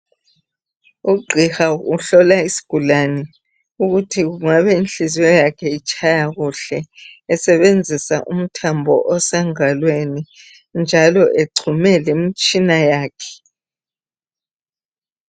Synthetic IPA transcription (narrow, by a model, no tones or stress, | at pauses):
uɡ͡ǀʱixauɬɔlaisi̥ɡ̥ʱulanɛ | uɣutʰiɣuŋaβɛinɬizɛjakʰɛit͡ʃʼajaɣuɬɛːsɛβend͡zʱisaʔum̩tʰambʱɔ̰ʔɔsɛŋalweni | nd͡ʒʱalɔʔeǀʰumɛlemit͡ʃʼinajaːkʰɛ̥